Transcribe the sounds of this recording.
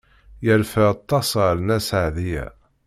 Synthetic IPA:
jəɾfəɑt̪ˤːɑsəɾnæsaʕðijæ̰

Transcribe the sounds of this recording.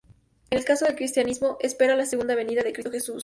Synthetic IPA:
enelkaso̞ðelkɾist̪janizmo̞ʔespe̞ɾalaseɣund̪aβe̞niðaðekɾist̪oxe̞sus

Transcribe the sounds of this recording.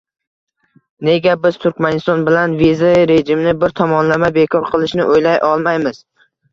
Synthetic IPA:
ne̞ɡʲabɪzt̪ʰʊɾkʲmanɪst̪ɒnbɪlanvizaɾeʒɪmnɪbɪɾt̪ʰɒmɒnlamabekʰɒɾqʰɨlˠɪʃnɪ̰ʔojlajʔɒlˠmajmɪz̥

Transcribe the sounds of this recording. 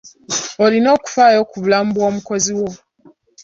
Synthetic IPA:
olinoku̥faːjokuβulam̩bwoːmuko̞ziwo

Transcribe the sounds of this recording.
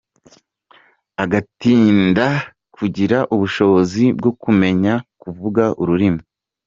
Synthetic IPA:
aɡatiːnda | kʰuɟiɾaʔuβuʃo̞βo̞zibɡo̞kume̞ɲakuvuɡaʔuɾuɾimu

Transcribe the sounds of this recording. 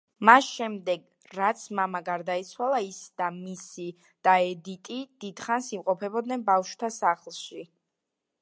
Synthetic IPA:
masʃɛmd̪ɛɡ | ɾat̪sʰmamaɡaɾd̪ait̪sʰwalˠaisd̪̥amisi | d̪̥aɛd̪it̪ʼid̪̥id̪̥χansimqʼɔpʰɛbɔd̪nɛnbafʃwt̪ʰasaχlˠʃi

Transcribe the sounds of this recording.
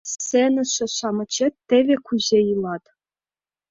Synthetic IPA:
ssenɘ̆ʂɘ̆ʂɑmɤ̆t͡ɕet̪ʲːĕʋʲĕkuʑʲejɯlˠɑt̪

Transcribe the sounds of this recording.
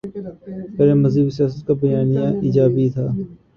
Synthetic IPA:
peːɾeːməziːbsjaːs̬ət̪̚kabəjaːnijãːʔɪːd͡ʒaːbit̪ʰaː

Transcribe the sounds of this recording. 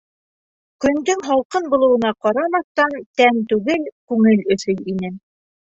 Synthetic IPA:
kɵ̆nd̪ɵŋɦɑlˠqɤnbŏlˠɤ̆wɤ̆nɑqɑɾɑmɑθt̪ɑnt̪ænt̪ʉɣɘlkʉŋɘlɵ̆θɵjinɘ

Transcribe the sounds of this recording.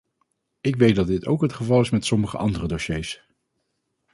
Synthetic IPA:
ɪkʋej̚dɑd̚ɪto̰wkɦətχəvɑlˠɪsmɛtsɔməχə̰ʔɑndərədowʃejs

